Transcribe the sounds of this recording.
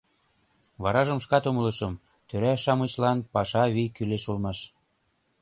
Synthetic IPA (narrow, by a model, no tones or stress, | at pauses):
βɑɾɑʒə̆mʃkɑt̪omɤ̆lɤ̆ʃɤ̆m | t̪øɾæʃɑmɤt͡ɕlɑnpɑʃɑβikyleʃulmɑʃ